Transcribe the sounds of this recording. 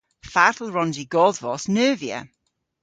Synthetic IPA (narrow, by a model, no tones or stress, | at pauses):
farθlˠɹɔnziɡɔðvɔsnəːvjə̰